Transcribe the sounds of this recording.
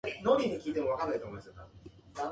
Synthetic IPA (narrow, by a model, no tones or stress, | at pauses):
noɾʲid̪ekʲiːt̪e̞mo̞akanːait̪omojmasek̪a̰